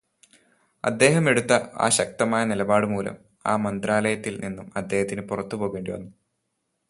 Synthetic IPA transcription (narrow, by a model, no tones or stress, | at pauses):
ɐ̰d̪ːe̞ːɦɐme̞ɽut̪ːɐa̰ːɕɐk̚t̪ɐmaːjɐnilɐbaːɽɨmuːlɐ̰m | a̰ːmɐnd̪ɾaːlɐjɐt̪ːilninːumɐd̪ːe̞ːhɐt̪ːinɨpurɐt̪ːupo̞ːɣuɣeːɳɖiʋɐ̰nːu